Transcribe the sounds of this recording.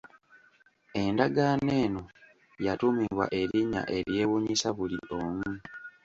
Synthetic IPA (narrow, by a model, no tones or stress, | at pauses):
e̞ndaɡaːne̞ːno | jatumiβwa̰ʔe̞ɾiɲːa̰ʔe̞ɾje̞ːwuɲisaβulḭʔoːmu